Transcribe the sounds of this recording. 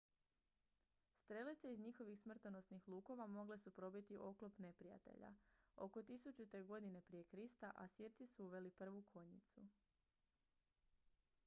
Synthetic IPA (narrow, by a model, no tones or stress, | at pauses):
st̪ɾe̞lit̪seizɲixo̞ʋixsmr̩t̪ono̞snixlˠuːko̞ʋamo̞ɡle̞supɾo̞bit̪iʔo̞klopne̞pɾija̰t̪e̞̰ʎa̰o̞̰ko̞t̪isut͡ʃut̪e̞ɡo̞d̪ine̞pɾije̞kɾist̪aʔasiɾt̪sisuuʋe̞lipr̩ʋukʰo̞ɲit̪sṵ